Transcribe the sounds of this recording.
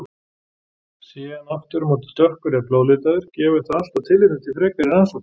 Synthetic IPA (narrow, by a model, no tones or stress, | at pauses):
siːɣanaft̪ʏɾmoːt̪̬ɪt̪œhkʏɾaploːwlɪt̪aðɪɾ̥cɛːvʏ̥θaðal̥t̪awt̪ʰɪlvɪɾɪt̪ʰifɾɛkvɪɾɪɾansḁ